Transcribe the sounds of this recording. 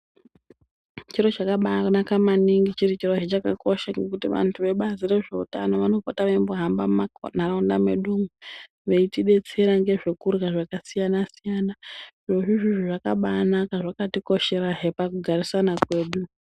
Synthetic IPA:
t͡ʃiro̞t͡ʃakaɓaknakamaniŋɡit͡ʃiɾit͡ʃirot͡ʃet͡ʃakako̞ʃaŋɡekutiʋa̰ntʰuʋe̞ɓazire̞ʐe̞utano̞ʋano̞potaʋeimboɦambamaknaɾaundameɗumu | ʋe̞itiɗe̞t͡se̞ɾaŋɡe̞ʐe̞kurɣaʐakasijanasijana | ʐo̞ʐiʐiʐiʐaka̰ɓanakaʐakatiko̞ʃe̞ɾaɦe̞pakuɡʱarisanakwe̞ːɗu

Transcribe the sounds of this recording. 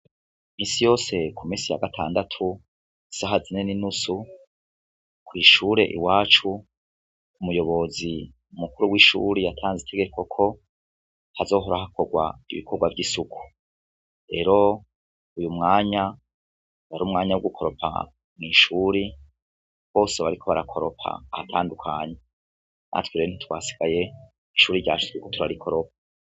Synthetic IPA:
miːnsijo̞ːse̞kʰumĩːnsija̰ɡatʰa̰ːndatʰu | isaɦazineninusu | kwiːʃuːɾe̞ʔḭwaːt͡ʃu | umujo̞βo̞zi | umukuɾuwiʃṵːɾijatʰaːnzitʰe̞ɡe̞ko̞kʰo̞ | hazo̞ːɦoɾaɦako̞ɡwa̰ḭβḭkʰo̞ɡwavɟisuku̥ | ɾe̞ɾo̞ | ujumŋaːɲa | waɾuːmŋaːɲawuɡukʰo̞ɾo̞pʰa̰ | mŋiːʃuɾi | βo̞ːseβaɾikʰo̞βa̰ɾakʰo̞ɾo̞pʰa̰ːhatʰaːndukʰaɲe̞ | nʔa̰twiɾen̥itwa̰ːsi̥ɡ̥aje̞ | iʃuːɾiɾɟa̰ːʃu̥sikotuɾaɾikʰo̞ɾo̞pḁ

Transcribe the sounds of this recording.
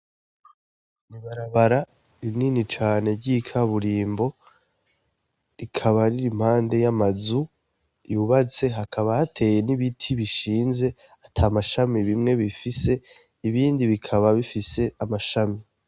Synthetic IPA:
niβaɾaβaɾa | ininit͡ʃaːne̞ɾɟikʰaβuɾiːmbo̞ | ɾikʰaβaɾiɾim̥haːnde̞jamazu | juβat͡se̞ɦakʰaβahatʰe̞je̞niβitʰiβiʃiːnze̞ | atʰaːmaʃamiβimŋe̞βifise̞ | iβiːndiβikʰaβaβifise̞amaʃami

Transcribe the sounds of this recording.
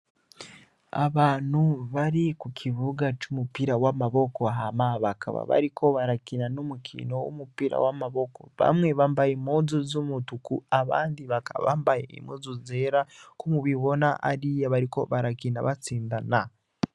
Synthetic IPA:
a̰βaːn̥huβaɾikukʰiβuɡat͡ʃumupiɾawamaβo̞ko̞ɦamaβakʰa̰βa̰βa̰ɾikʰo̞βaɾakinanomukʰḭno̞wo̰mupiɾa̰wamaβoko̞̰βa̰mwe̞βaːmbajimozuzumutukuaβa̰ːndiβakaβa̰mbajḛḭmoːzuzeɾakumuβiβo̞naʔaɾijaβaɾiko̞̰βaɾakinaβat͡siːndana

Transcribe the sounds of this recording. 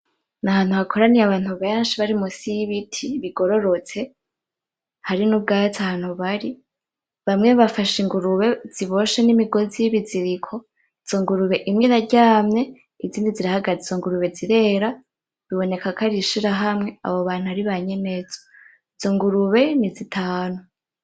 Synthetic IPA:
nahaːn̥uhakʰo̞ɾanijaβaːn̥huβeːnʃiβaɾimusijiβitʰiβiɡo̞ɾo̞ɾot͡se̞ | haɾinub̚ɡaːtʰahaːn̥uβaɾi | βamŋeβafaʃiŋɡuɾuβe̞z̥iβo̞ʃenimiɡo̞zijiβiziɾikʰo̞ | iz̥o̞ŋɡuɾuβe̞ʔimŋinaɟaːmɲe̞ | iziːndiziɾahaɡazizo̞ŋɡuɾuβe̞ziɾe̞ːɾa | βiβo̞ne̞kakʰaɾiʃiɾaɦamŋe̞a̰βo̞βaːn̥uaɾiβaɲe̞nez̥o | izoŋɡuɾuβe̞nizitʰaːnu

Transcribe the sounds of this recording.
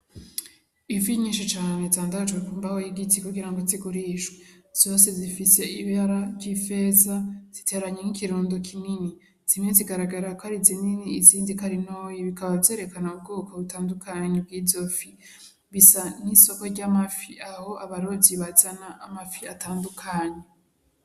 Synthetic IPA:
ifiɲiːnʃit͡ʃaːne̞zaːndad͡ʒɡwekuːmbahojiɡitikuɡiɾaŋɡoziɡuɾiːʃwez̥o̞se̞zifise̞iβaɾaɟife̞zaz̥itʰe̞ːɾaɲenikiɾuːndokʰinini | z̥imeziɡaɾaɡaɾakohaɾizininiːziːndikaɾinoːjiβikaβavze̞ːɾe̞kanaub̚ɡo̞ːkaβutaːndukʰaɲeb̚ɡiːvzo̞fi | βisaniso̞ko̞ɾɟamafiaho̞ʔaβaɾoziβazanaʔamafiataːndukʰaɲe

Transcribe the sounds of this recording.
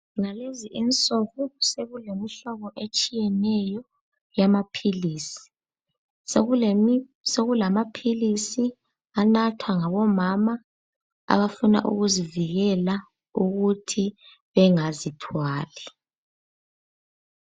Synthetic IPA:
naleziʔint͡sʼɔɣuseɣulemiɬɔɣɔʔet͡ʃʼijɛnɛjɔ | jamapʰiliːsi̥ | seɣulamapʰilisi | anatʰwaŋaβɔmama | a̰βafuna̰ʔṵɣuziviɣɛla | uɣutʰi | βɛŋazitʰwaːlɛ

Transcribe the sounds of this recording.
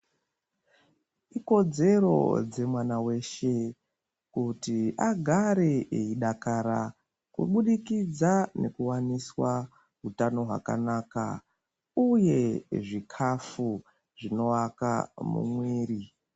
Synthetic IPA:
iko̞d͡ze̞ro̞̰d͡ze̞mwanawe̞ʃe̞ | kutiʔaɡʱaɾe̞eiɗakaɾa | kṵɓuɗikid͡zane̞̰kuwaniswa | ɦutano̞ɦwa̰ka̰naːka̰ | uje̞ʐikʰafu | ʐino̞waka̰mṵmwe̞ːɾi

